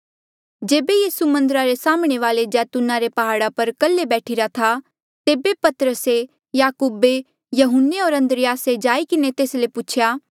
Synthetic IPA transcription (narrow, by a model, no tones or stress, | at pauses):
d͡ʒeːbejiːsumɐ̃nd̪əɾaɾesaːmɽ̃eʋaːled͡ʒɛːt̪ʊnãɾepɐɦaːɽapɐɾkɐlːebɛːʈʰiɾat̪ʰa | t̪eːbepɐt̪ɾəse | jaːkuːbe | jɐɦʊnːeɔːɾɐ̃nd̪ɾɪjaːsed͡ʒaːikɪnet̪eːslepʊt͡ʃʰjaː